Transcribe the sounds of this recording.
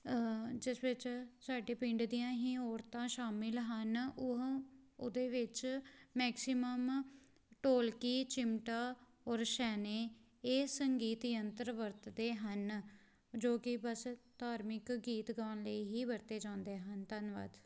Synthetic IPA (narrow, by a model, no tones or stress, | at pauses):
d͡ʒɪsʋɪt͡ʃsaːɖeːpɪ̃ɳɖd̪ijãːɦiːɔːɾt̪ãːʃaːmɪlɦənʊɦʊd̪eːʋɪt͡ʃmɛːksɪməm | ʈoːlkiːt͡ʃɪmʈaː | ɔːɾʃɛːneː | eːsəŋɡiːt̪jənt̪əɾʋəɾt̪d̪eːɦən | d͡ʒoːkɪbəst̪aːɾmɪkɡiːt̪ɡaːnləiːɦiːʋəɾt̪eːd͡ʒãːnd̪eːɦənt̪ənʋa̰ːd̪